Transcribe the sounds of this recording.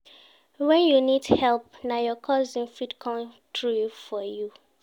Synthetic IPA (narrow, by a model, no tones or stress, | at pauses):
wɛ̃njunidhɛlp̚najɔkʰɔzĩnfidkʰɔ̃m | tʰɹujfɔju